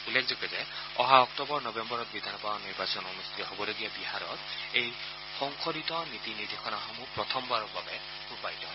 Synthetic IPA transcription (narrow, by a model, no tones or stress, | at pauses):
ulːekʰzɔkɛzɛ | ɔ̰ɦaɔktɔbɔɹnɔbembɔɹɔt̪̚bid̪ʱanɔpawaniɹbasɔnɔmust̪ʰitɔɦobɔloɡijabiɦaɹɔ̰tej | xɔŋkʰoɾit̪ɔnit̪inid̪ixʰɔnaxɔmupɹɔt̪ʰɔmbaɹɔkbabɛ | upajt̪ɔɦɔ